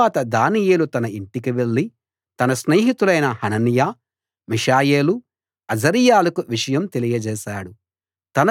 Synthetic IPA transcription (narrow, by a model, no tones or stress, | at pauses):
aːt̪ɐd̪aːnijeːlut̪ɐnɐiɳʈikiʋe̞ɭːi | t̪ɐnɐsneːɦit̪ulɐjnɐhɐnɐnjaː | miʂaːjeːlu | ɐd͡ʒɐɾijaːlɐkuʋiʂɐjɐmt̪e̞lijɐd͡ʒɛːʃaːɽu | t̪ɐnɐ